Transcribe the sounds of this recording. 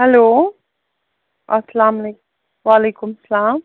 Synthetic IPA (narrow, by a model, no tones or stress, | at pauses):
hɛloː | ʔɐslaːmle | ʋaːleːkʊmsɐlaːm